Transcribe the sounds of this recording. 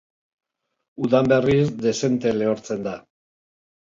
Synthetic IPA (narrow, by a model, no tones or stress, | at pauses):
uðambe̞risd̪e̞se̞nt̪e̞le̞oɾt͡se̞nd̪a